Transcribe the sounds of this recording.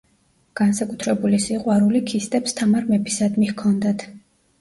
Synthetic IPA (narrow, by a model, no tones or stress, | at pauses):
ɡ̥ansakʼut̪ʰɾɛbulisiqʼwaɾulikʰist̪ʼɛpst̪ʰamaɾmɛpʰi̥sad̪mihkʰɔnd̪at̪ʰ